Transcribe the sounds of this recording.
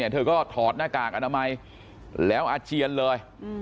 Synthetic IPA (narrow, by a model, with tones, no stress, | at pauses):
t̪ʰɤː˧kɔː˥˩t̪ʰɔː˨˩t̪̚naː˥˩kaː˨˩k̚ʔa˧naː˧ma˧j | lɛː˦˥wʔaː˧t͡ɕi˧ənlɤː˧j